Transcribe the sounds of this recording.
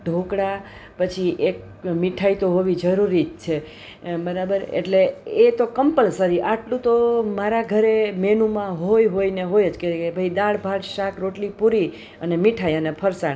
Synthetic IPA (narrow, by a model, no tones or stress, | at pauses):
ɖʱokɽapət͡ʃʰiʔek̚ | miʈʰait̪oɦoʋid͡ʒəɾuɾit̪t͡ʃʰe | bəɾabəɾḛʈleet̪okəmpəlsəɾiʔaʈlũt̪omaɾaɡʱəɾemenumãɦojɦoineɦojed͡ʒkeebʱəjd̪aɭbʱaɽʃakɾoʈlipuɾi | ənemiʈʰajənepʰəɾsaɳ